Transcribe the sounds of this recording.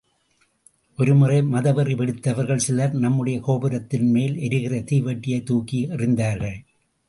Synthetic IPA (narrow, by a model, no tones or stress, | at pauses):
ʔɔɾɯmɯrɐɪmɐðɐʋɐripɛɽɯt̪ːɐʋɐɾɣɐɭsɪlɐɾnɐmːɯɽɐjɐkoːbɪɾɐt̪ːɪnmeːlɛɾɯɣɪrɐt̪iːʋɐʈːɪjɐɪt̪ːuːkiɐrɪnd̪aːɾɣɐɭ